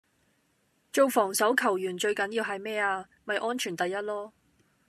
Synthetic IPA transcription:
t͡ʃo˨˧wfɔː˨˩ŋsɐ˨˥wkʰɐ˨˩wjyː˨˩nt͡ʃɵ˧ɥkɐ˨˥njiː˧wɦɐ˨jmɛː˥aː˧ | mɐ˨jʔɔː˥nt͡ʃʰyː˨˩nt̪ɐ˨jːɐ˥t̚lɔː˥

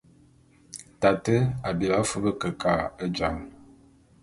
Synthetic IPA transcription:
ta˨tə˦a˨bi˨ba˨˦fə˦bə˦kə˨ka˦˨ə˦d͡ʒa˨ŋ

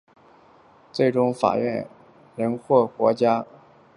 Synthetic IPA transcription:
t͡swe˥˩ɪʈ͡ʂʊ˥ŋfa̰˨˩ɥɛ˥˩n | ɻə˧˥nxwɔ˥˩kwɔ˧˥t͡ɕja˥

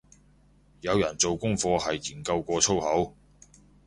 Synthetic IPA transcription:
jɐ˨˧wjɐ˨˩nt͡so˨wkʊ˥ŋfɔː˧ɦɐ˨jːiː˨˩nkɐ˧wkʷɔː˧t͡sʰo˥whɐ˨˥w

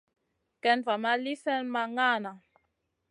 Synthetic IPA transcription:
kɛ˦nva˨ma˦li˦sɛ˦nma˦ŋa˦˨na˨

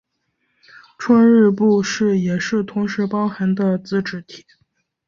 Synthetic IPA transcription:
ʈ͡ʂʰwa˥nɻ̩˥˧pu˥˧ʂɻ̩˥˩jɛ˨˩ʂɻ̩˥˩t̪ʰʊ˧˥ŋʂɻ̩˧˥pɑ˥ʊxa˧˥nd̪ə˧t͡sɹ̩˥˧ʈ͡ʂɻ̩˧˥˩t̪ʰi̥˨˩˦

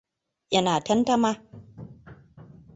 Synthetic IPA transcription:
ʔɐ˦naː˨tɐ˦ntɐ˦maː˦

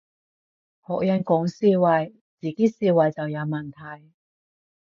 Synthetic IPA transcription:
hɔː˨k̚jɐ˨˧nkʊ˨˥ŋsiː˧wɐ˨˧j | t͡siː˨˧kiː˥siː˧wɐ˨˩jt͡sɐ˨wjɐ˨˧wmɐ˨˩nt̪ʰɐ˨˩j

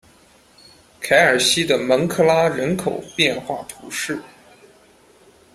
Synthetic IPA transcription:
kʰa˧˥ɪə˞˨˩ɕi˥d̪ə˨mə˧˥ŋkʰɤ˥˩la˥ɻə˧˥nkʰo˨˩ʊpjɛ˥˧nxwa˥˩t̪ʰu˧˥ʂɻ̩˥˩

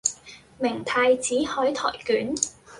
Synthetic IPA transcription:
mɪ˨˩ŋt̪ʰaː˧jt͡siː˨˥hɔː˨˥jt̪ʰɔ̰ː˨˩jkyː˨˥n

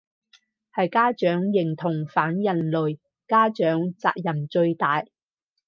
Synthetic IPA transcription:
hɐ˨jkaː˥t͡ʃœː˨˥ŋjɪ˨˩ŋt̪ʰʊ˨˩ŋfaː˨˥njɐ˨nlɵ˨ɥ | kaː˥t͡ʃœː˨˥ŋt͡sa̰ː˧k̚jɐ˨˩mt͡ʃɵ˧ɥt̪aː˨j

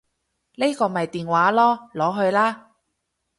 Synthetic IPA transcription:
ne˥kɔː˧mɐ˨jt̪iː˨nwaː˨˥lɔː˥lɔː˨˥ɦɵ˧ɥlaː˥

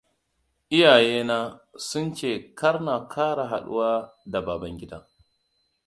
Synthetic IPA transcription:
ʔɪ˦jaː˨jeː˦naː˦sʊ˦nt͡ʃeː˦˨kɐ˦ɾna˨kʰaː˦ɽa˨ɦa̰˨ɗṵ˦waː˦da˨baː˨bɐ˦ŋɡʲɪ˦da˦˨

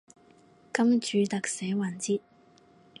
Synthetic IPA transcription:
kɐ˥mt͡ʃyː˨˥t̪ɐ˨k̚sɛː˨˥waː˨˩nt͡siː˥t̚

